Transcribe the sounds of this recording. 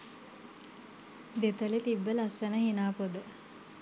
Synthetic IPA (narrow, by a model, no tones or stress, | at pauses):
d̪et̪əlit̪ibːəlɐsːɐnəhinaːpod̪ə